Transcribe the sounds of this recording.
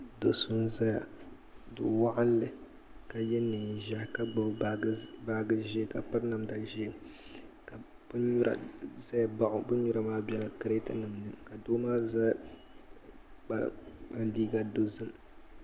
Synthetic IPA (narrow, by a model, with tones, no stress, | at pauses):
do˨su˦n˦za˦ja˨ | dʊ̰˨wa˦ʔa˦n˦lɨ˦ | ka˨jɛ˦nɨ˨ʒa˦hka˦˨˦baː˦ɡɨ˦ʒe˦ka˨pɨ˦ɾna˨mda˦ʒe˦˨mka˨ | b̥ɨ˦ɲu˦ɾa̰˨za˦jba˨ʔʊ˨bɨ˦ɲu˦ɾa˦maː˦bɛ˦la˨kɨ˦ɾe˦tɨ˦nɨ˨mnɨ˨ka˨do˦maː˦za˦ | k͡pa̰˦ɾ̰a˨liː˦ɡa˦do˦zɨ˦m